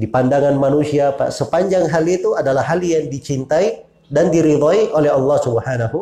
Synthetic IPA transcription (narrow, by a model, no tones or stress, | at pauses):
dipandaŋanmanusiapa̰səpaɲd͡ʒaŋɦalit̪uadalahɦaljaŋdit͡ʃint̪ai | dandiɾid̪ɔiʔolɛɦɑlːɑhsubəhanaɦu